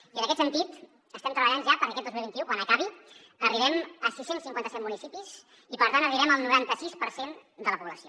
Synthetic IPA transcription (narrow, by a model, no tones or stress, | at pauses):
iənəkɛt̪sənt̪it̪ | əst̪ɛmt̪ɾəβəʎanʒapəɾkɛt̪̚d̪ozilˠβint̪iukwanəkaβi | əriβɛməsisensiŋkwant̪əsɛt̪munisipiz | ipəɾt̪anəriβɛməlˠnuɾant̪əsispəɾsend̪ələpuβləsio